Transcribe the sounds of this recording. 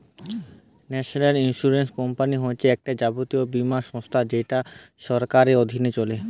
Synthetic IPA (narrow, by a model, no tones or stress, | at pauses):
nɛʃoneɾinʃuɾenskɔmpaniɦoet͡ɕʰeɛk̚ʈad͡ʑabot̪iobimaʃɔ̃st̪ʰad͡ʑeʈaʃɔɾkaɾeod̪ʱinet͡ɕole